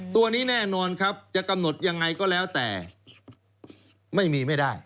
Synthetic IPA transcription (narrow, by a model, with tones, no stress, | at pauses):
t̪u˧ɐniː˦˥nɛː˥˩nɔː˧nkʰa˦˥p̚t͡ɕa˨˩ʔka˧mno˨˩t̪̚ja˧ŋːa˧jkɔː˥˩lɛː˦˥wt̪ɛ̰ː˨˩ | ma˥˩jmiː˧ma˥˩jda˥˩j